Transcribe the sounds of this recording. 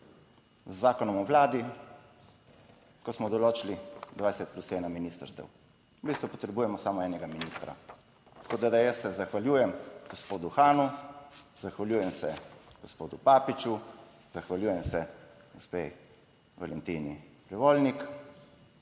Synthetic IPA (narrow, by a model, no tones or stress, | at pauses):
zːaːkɔnɔmɔʋlaːd̪i | kɔsmɔd̪ɔloːt͡ʃilid̪ʋajsɛt̪̚plusɛːnaminiːst̪a̰ɾst̪ɛ̰w | bist̪ʋupɔt̪ɾɛbuːjɛmɔsaːmɔɛːnɛɡaminist̪ɾa̰ | t̪ɐ̥koːd̪ad̪ajəsːɛzaxʋaljuːjɛmɡ̥ospoːd̪uxaːnu | zaxʋaljuːjɛmsɛɡ̥ospoːd̪upaːpit͡ʃu | zaxʋaljuːjɛmsɛɡospḛj | ʋa̰lɛnt̪iniplɛʋoːlnik